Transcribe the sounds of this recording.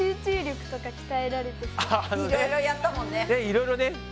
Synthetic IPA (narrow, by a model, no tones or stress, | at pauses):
ɨːt͡ɕɨːɾʲo̞kɯ̟̥t̪o̞kakʲi̥t̪aeɾaɾe̞t̪eanioɾoeiɾojat̪ːamõ̞nːene̞iɾo̞iɾo̞ne̞